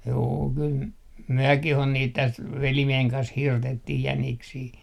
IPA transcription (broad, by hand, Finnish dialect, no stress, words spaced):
juː kyl myøkih on niːt tæst ʋelimieheŋ kɑns hirtetːih jæniksiː